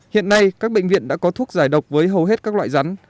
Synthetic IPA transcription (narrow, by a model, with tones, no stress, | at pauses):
hḭ˧˨ənːa˧jkaː˦˥k̚ɓḛ˧˨ŋ̟vḭ˧˨ənɗa̰ː˧˥kɔ˨˦t̪ʰu˦˥ək̚zaː˧˩jɗə˨˩wk͡p̚vəː˨˦jɦə˨˩wɦe˦˥t̚kaː˦˥k̚la̰ː˧˨jza˨˦n